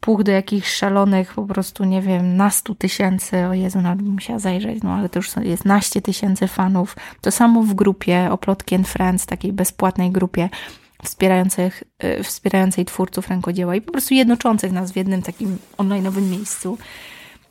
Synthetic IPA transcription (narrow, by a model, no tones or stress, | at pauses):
puxd̪ɔjakʲixʂalɔnɘxpɔpɾɔst̪uɲɛvʲjɛmnast̪ut̪ɘɕɛnt̪sɘɔjɛzunalbbmuɕawazajʐɛ̰t͡ɕnɔ̰alɛt̪ɔjuʂsɔjɛst̪naɕt͡ɕɛt̪ɘɕɛnt̪sɘfanuft̪ɔsamɔvɡɾupʲjɛɔplɔt̪kʲɛnfɾɛnt̪sft̪akʲejbɛspwat̪nɛjɡɾupʲjɛ | fspʲjɛɾajɔnt̪sɛxfspʲjɛɾajɔnt̪sɛjt̪fuɾt̪sufɾɛŋkɔd͡ʑɛwaipɔpɾɔst̪ujɛd̪nɔt͡ʂɔnt̪sɘxnasvʲjɛd̪nɘmt̪akʲimɔnlajnɔvɘmːjejst̪su